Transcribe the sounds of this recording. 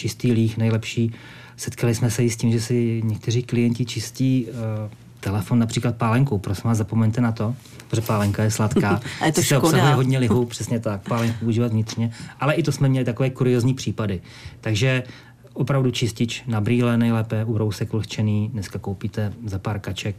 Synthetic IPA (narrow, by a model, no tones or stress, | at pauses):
t͡ʃɪst̪iːliːxnɛjlɛpʃiː | sɛt̪kʰalɪsmɛsɛɪsciːmʒɛsɪɲɛk̚t̪ɛriːklɪjɛɲcɪt͡ʃɪstciː | t̪ɛlɛfo̞nːapr̥iːklat̪̚paːlɛŋkupɾosɛmaːzapo̞mɛɲt̪ɛnat̪o̞ | ɾoʒɛpaːlɛŋkajɛslat̪kaːsɪsɛoaɦuaɦodɲɛlɪɦupr̥ɛsɲɛt̪ak̚paːlɛŋkpouʒiːvat̪vɲɪt̪r̥ɲɛʔalɛʔɪt̪osmɛmɲɛlɪt̪akovɛːkuɾɪozɲiːpr̥iːpadɪ | t̪aɡʒɛ | ʔopɾavdut͡ʃɪscɪt͡ʃnabɾiːlɛnɛjlɛːpɛuɾo̞wsɛkvl̩xt͡ʃɛniːdnɛskakowpit̪ɛzapaːɾkat͡ʃɛk̚